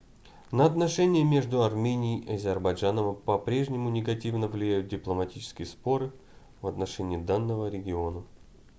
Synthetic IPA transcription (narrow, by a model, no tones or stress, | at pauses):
nəɐt̪nɐʂɛnʲɪjəmʲe̞ʐd̪ʊɐrmʲenʲɪiʔɐzʲɪrbɐjʐanəmpɐpɾʲe̞ʐnʲɪmʊnʲɪɡɐtʲivnəvlʲɪjæjʊt̪̚dʲɪplˠəmɐtʲit͡ɕɪ̥skʲɪjəspo̞ɾɨ | vɐt̪nɐʂɛnʲɪɪd̪anːəvəɾʲɪɡʲɪo̞nə